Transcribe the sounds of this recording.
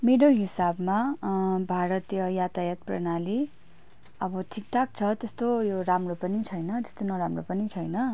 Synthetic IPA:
meɽoɦisabmabʱaɾʌt̪jʌjat̪ajat̪prʌ̰nali | ʌbʌʈʰik̚ʈ̪ʰak̚t͡sʰʌt̪est̪ojoramropʌnit͡sʰʌjnʌt̪e̥st̪onʌɾamropʌnit͡sʰʌjnʌ

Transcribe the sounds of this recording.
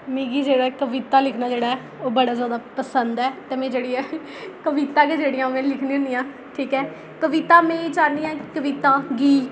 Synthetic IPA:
mĩːɡiːd͡ʒeːɽaːɛkəʋɪt̪aːlɪkʰnaːd͡ʒeːɽaːɛː | oːbəɽaːzjaːd̪aːpəsənd̪ɛːt̪emẽːd͡ʒeːɽiːɛː | kəʋɪːt̪aːked͡ʒeːɽɪjãːmẽːlɪkʰniːə̃nd̪ijãː | ʈʰiːkɛː | kəʋɪt̪aːmẽːt͡ʃaːniːãːkkəʋɪt̪aːɡiː

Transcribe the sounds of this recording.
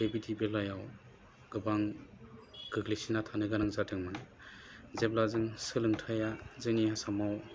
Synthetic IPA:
debitibelɔjaw | ɡ̥ɯbaŋ | ɡ̥ɯɡlisinatʰanɯɡanaŋzatɯŋma | zep̚lazɯŋsɯlɯŋtʰajazɯniasamaw

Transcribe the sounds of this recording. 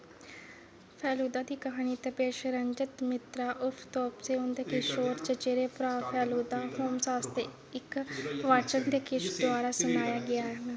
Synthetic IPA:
pʰɛːluːd̪aːd̪iːkəɦaːniːt̪epeːʃɾəɲd͡ʒət̪mɪt̪ɾaːʔʊpʰt̪ɔːpseːʊnd̪eːkɪʃoːɾt͡ʃət͡ʃeːɾeːpɾaːpʰɛːluːd̪aːhoːmsaːst̪eː | ɪkʋaːt͡ʃənd̪eːkɪʃd̪ʊaːɾaːsənaːjaːɡɪaːɦə

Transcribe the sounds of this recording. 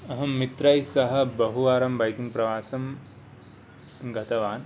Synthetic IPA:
ɐɦɐmit̪ɾɐjsɐɦɐ̆bɐɦuʋaːɾɐmbɐjk̪iŋɡpɾɐʋaːsɐm | ɡʱɐt̪ɐʋaːn

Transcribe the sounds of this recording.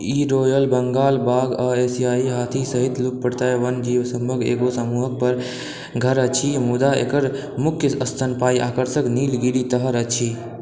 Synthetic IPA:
iɾoːjəlbəŋɡaːlbaːɡəeːsiaːiɦat̪ʰisəɦit̪luk̚pəɽt̪aʋənd͡ʒiːʋsəmbʱəɡḛːɡosəmuɦək̚pəɾ | ɡʱəɾət͡ʃʰimud̪aḛkəɾ | mʊkʰjəəst̪ʰənpaːiʔaːkəɾsəkniːlɡiɽit̪əɦəɾət͡ʃʰi

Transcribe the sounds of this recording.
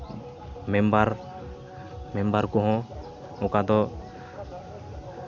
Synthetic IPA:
mɛmbaɾ | mɛmbaɾkɔɦɔ̃ | ɔkad̪ɔ

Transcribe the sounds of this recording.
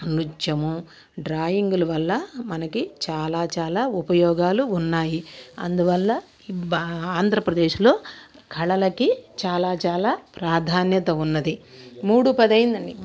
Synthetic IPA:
ɐnud͡ʒjɐmu | ɖɾaːjiŋɡulɐʋɐlːɐmɐnɐkit͡ʃaːlaːt͡ʃaːlaːupɐjɔːɡaːluːnːaːjiɐ̰nd̪uʋɐlːɐ | aːnd̪ʱɾɐpɾɐd̪e̞ːʃlo̞ː | kʰɐɭɐlɐkit͡ʃaːlaːt͡ʃaːlaːpɾaːd̪ʱaːnjɐt̪ɐunːɐd̪imuːɽupɐd̪ɐjind̪ɐɳɖi

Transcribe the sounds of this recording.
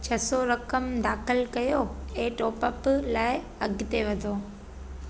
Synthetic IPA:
t͡ɕʰɐsoɾɐkəmd̪aːxɪlkɐjoeːʈoːpəplaːɪ | ɐɡʱt̪eʋɐd̪ʱoː

